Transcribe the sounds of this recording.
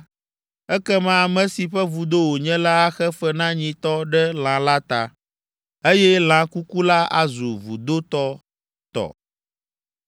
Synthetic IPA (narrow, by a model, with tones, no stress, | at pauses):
ɛ˦kɛ˦mã˦˨mɛ̃˦si˨ɸɛ˦vu˨d̪o˦wo˨ɲɛ̃˦la˦a˦xɛ˦fɛ˦nã˦ɲĩ˨t̪ɔ˦ɖɛ˦l̃ã˨la˦t̪a˨ | e˦jɛ˦l̃ã˨ku˦ku˦la˦a̰˨zu˨vṵ˨d̪o˦t̪ɔ˦ | t̪ɔ̰˨